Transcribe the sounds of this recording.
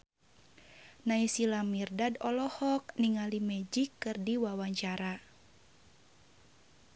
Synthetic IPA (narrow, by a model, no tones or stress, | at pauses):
naisilamirdadɔlɔhɔk̚niŋalimɛd͡ʒikːɨrdiwawaɲt͡ʃaɾa